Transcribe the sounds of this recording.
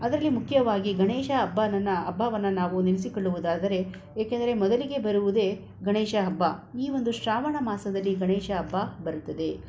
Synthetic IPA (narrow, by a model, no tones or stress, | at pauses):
ɐd̪ɐɾɐlːimukʰjɐʋaːɡiɡɐɳeːʃɐːbːɐnɐnːɐːbʱːaʋɐnːɐnaːʋunilisikoɭːuʋud̪aːd̪ɐɾe̞ | jeːkend̪ɐɾe̞mɔd̪ɐliɡe̞bɐɾuʋud̪e̞ː | ɡɐɳeːʃɐɐbːɐiːʋo̞nd̪uʃɾaːʋɐɳɐmaːsɐd̪ɐlːiɡɐɳeːʃɐːbːɐbɐɾut̪ːɐd̪e̞